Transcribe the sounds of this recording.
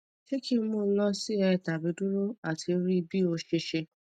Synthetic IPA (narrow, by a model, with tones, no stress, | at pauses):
ʃe˦ki˦mũ˦˨˦lɔ̃˦si˦ɛ˧˨ta˨bi˧du˦ɾo˦a˨tʰi˧˦ɾi˦˧bi˦o˧ʃe˧ʃe˧